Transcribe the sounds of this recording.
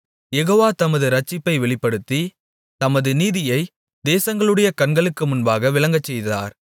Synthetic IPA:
jɛɣoːʋaːt̪ɐmɐðɯɾɐt͡ʃːɪpːɐɪʋɛɭɪpːɐɽɯt̪ːi | t̪ɐmɐðɯniːðɪjɐɪ | d̪eːsɐŋɡɐɭɯɽɐjɐkɐɳɡɐɭɯkːɯmʊnbaːɣɐʋɪlɐŋɡɐt͡ʃːɛjða̰ːɾ

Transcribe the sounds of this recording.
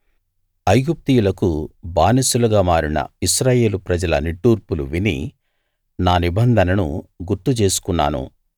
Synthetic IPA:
ɐjɡup̚t̪ijulɐkubaːnisulɐɡaːmaːɾinɐ̰isɾaːje̞ːlupɾɐd͡ʒɐlɐ̰niʈːuːɾpulṵʋinḭ | naːnibɐnd̪ʱɐnɐnṵɡuɾt̪ut͡ʃe̞ːsu̥kunːa̰ːnṵ

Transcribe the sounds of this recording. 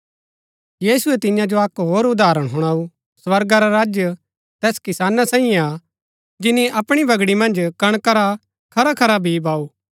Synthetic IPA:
jiːsʊɛt̪ɪjãd͡ʒoɐkɦoːɾʊd̪aːɾəɽ̃ɦʊɽ̃aːu | swɐɾɡaɾaɾaːd͡ʒjə | t̪ɛːskɪsaːnasaːĩẽa | d͡ʒɪniɐpɽ̃ibʱɐɡɽimɐ̃nd͡ʒkɐɽ̃kɐɾa | kʰɐɾakʰɐɾabʱibaːu

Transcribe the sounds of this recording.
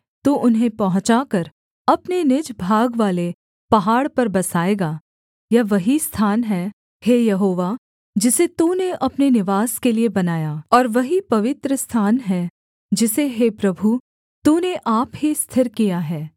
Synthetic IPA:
t̪oʔʊnɦẽpɐɦʊ̃t͡ʃakɐɾ | ɐpnenɪd͡ʒbʱaːɡʋaːle | pɐɦaːɽpɐɾbɐsaːeːɡa | jaʋɐɦist̪ʰaːnɦɛ | heːjɐɦoːʋa | d͡ʒɪset̪uneʔɐpnenɪʋaːskeliebɐnaːjaːɔːɾʋɐɦipɐʋɪt̪ɾəst̪ʰaːnɦɛ | d͡ʒɪseɦeːpɾɐbʱu | t̪uːneʔaːpɦist̪ʰɪɾkijaɦɛː

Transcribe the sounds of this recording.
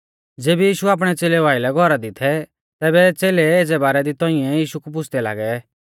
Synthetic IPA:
d͡zeːbijiːʃuaːp̬ɽ̃ɛt͡seːlɛʋaːɪlɛɡʱɔɾad̪ɪt̪ʰɛ | t̪ɛːbɛt͡seːleeːd͡zɛbaːɾɛd̪it̪ɔ̃ɪ̃ɛ̃jiːʃukup̬ʊt͡sʰd̪ɛla̰ːɡɛ

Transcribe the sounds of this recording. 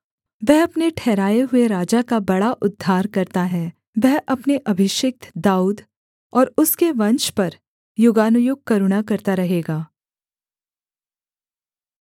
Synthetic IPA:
ʋɛɦɐpneʈʰɛːɾaːeɦʊeɾaːd͡ʒakabɐɽaʔʊd̪ʱːaːɾkɐɾt̪aɦɛ | ʋɛɦʔɐpneʔɐbʱɪʃɪk̚t̪ʰd̪aːuːd̪ | ɔːɾʊskeʋɐ̃nt͡ʃpɐɾ | jʊɡaːnʊjʊɡ̚kɐɾʊɽ̃akɐɾt̪aɾɐɦeːɡaː

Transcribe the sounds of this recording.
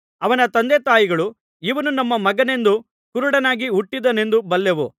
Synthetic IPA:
ɐʋɐnɐt̪ɐnd̪eːt̪aːjiɡɐɭu | iʋɐnunɐmːɐmɐɡɐne̞nd̪u | kuɾuɽɐnaːɡiuʈːid̪ɐne̞nd̪ubɐlːeʋu

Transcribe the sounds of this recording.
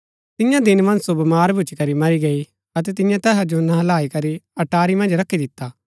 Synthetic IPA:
t̪ɪjãd̪ɪnmɐ̃nd͡ʒsobɐmaːɾbʱʊt͡ʃikɐɾimɐɾiɡɐi | ɐt̪ɛt̪ɪjãt̪ɛːɦad͡ʒonɐlaːikɐɾiɐʈaːɾimɐ̃nd͡ʒɾɐkʰːid̪ɪt̪ːaː

